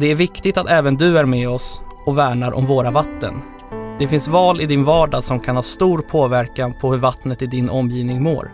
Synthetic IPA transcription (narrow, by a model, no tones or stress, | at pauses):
d̪ɛæɾvɪkt̪ɪɡt̪at̪ɛːvənd̪ɵæɾmɛɔsɔvæːɳaɾʔɔ̰mvoːɾavat̪ːə̰n | d̪̥ɛfɪnsvɑːlɪd̪ɪnvɑːɖasɔmkʰanhɑːst̪uːɾpʰoːvæɾkanpʰɔhɵɾvat̪nət̪ɪd̪ɪnʔɔmːjiːvnɪŋmo̰ːɾ